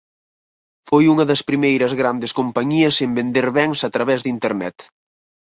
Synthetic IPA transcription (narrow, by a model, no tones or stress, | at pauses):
fojuŋɐðɐspɾimejɾɐzɣɾand̪eskompɐɲiɐsembend̪eɾβɛŋsat̪ɾɐβɛzðint̪eɾnɛ̰t̪